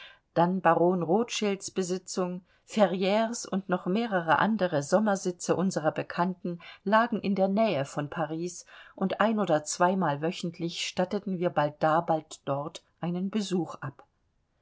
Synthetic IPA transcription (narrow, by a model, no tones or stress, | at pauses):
d̥anbaʁoːnʁoːtʃɪlsb̥əzɪt͡sʊŋ | fɛʁjɛːʁsʊntnɔχmeːʁəʁəʔa̰ndəʁəzɔmɐzɪt͡səʔʊnzəʁɐbəkʰantn̩laːɡŋ̩ʔɪndeːɐnɛːəfɔnpʰaʁ̞iːsʔʊntʔaɪnoːdɐt͡sv̥aɪmaːlvœçn̩tʰlɪçʃtatətn̩viːɐbalt̚d̥aːbaltd̥ɔʁtʔaɪnənbəzuːχʔap